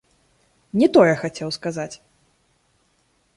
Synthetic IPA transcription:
nʲɛt̪ɔjɛxat͡sʲɛwskazat͡sʲ

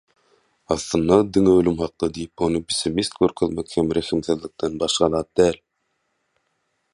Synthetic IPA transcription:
ɑθlˠɯnd̪ɑd̪iŋeølymhɑq̚d̪ɑd̪ijipo̞nupʰi̥simist̪̚ɡøɾkʰøðmekhemɾeximθiðlik̚d̪enbɑʃqɑlˠɑːt̪̚d̪æːl

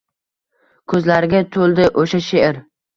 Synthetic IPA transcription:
kʰɵzlaɾɪɡʲat̪ʰolˠd̪ɪʔoʃaʃeɪɾ

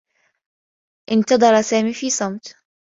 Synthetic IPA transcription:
ʔɪnt̪ɑd̪ˤɑɾˤɑsaːmiːfiːsˤɑmt̪

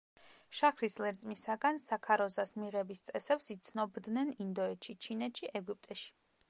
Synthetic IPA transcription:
ʃakʰɾislɛɾt̪sʼmisaɡansakʰaɾɔzasmiʁɛbist̪sʼɛsɛpsit̪sʰnɔbd̪nɛnind̪ɔɛt̪ʃit͡ʃʰinɛt̪ʃiʔɛɡup̚ʼt̪ʼɛʃi̥

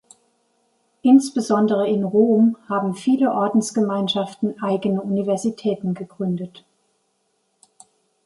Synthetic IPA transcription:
ʔɪnsb̥əzɔndəʁ̞əɪnʁoːmhaːbm̩fiːləʔɔɐdn̩sɡ̥əmaɪnʃaftn̩ʔaɪɡənəʔunivɛɐzitʰɛːtn̩ɡəɡ̥ʁʏndət

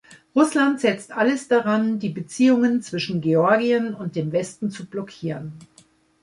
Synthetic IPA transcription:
ʁʊslantz̥ɛt͡stʔaləsd̥aʁandiːbət͡siːʊŋənt͡sv̥ɪʃn̩ɡeɔɐɡiənʊnt̚d̥eːmvɛstn̩t͡sublɔkʰiːʁən

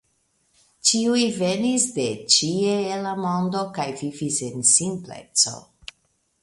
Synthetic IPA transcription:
t͡ʃiujve̞nisde̞t͡ʃieelamo̞ndo̞kajvivisensimple̞̰t͡so̞̰

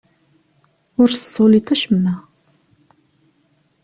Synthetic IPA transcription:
ʊɾθə̥sˤːolit̪æʃəmːæ

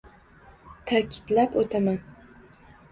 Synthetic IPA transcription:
t̪ʰakʲʰɪ̥t̪lapot̪ʰaman

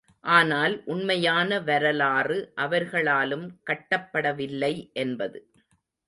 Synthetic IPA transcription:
ʔaːnaːlʔʊɳmɐjaːnɐʋɐɾɐlaːrɯʔɐʋɐɾɣɐɭaːlɯmkɐʈːɐpːɐɽɐʋɪlːɐɪʔɛnbɐðɯ

